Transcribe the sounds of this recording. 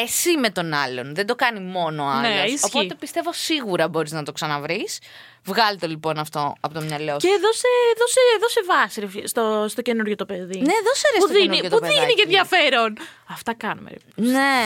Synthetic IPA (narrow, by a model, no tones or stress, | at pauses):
e̞sime̞t̪o̞nɐlo̞nðed̪o̞kɐnimo̞noɐnleoissoçpoit̪e̞pist̪e̞vo̞siɣuɾɐbo̞ɾiznɐt̪o̞ksɐnɐvɾis | vɣɐlit̪olipo̞nɐft̪o̞ɐpot̪omɲɐloceːðo̞seðoseːðosevɐsiɾefst̪ost̪oce̞nuɾʝo̞t̪o̞pe̞ðineːðoseɾesput̪ðienniot̪upðinicenðʝɐfe̞ɾo̞nɐft̪ɐkɐnṵmḛɾone